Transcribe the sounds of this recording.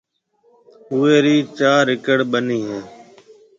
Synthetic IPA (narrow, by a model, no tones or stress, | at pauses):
ɦʊeːɾiːt͡ʃaːɾɪkəɽɓəniːɦẽː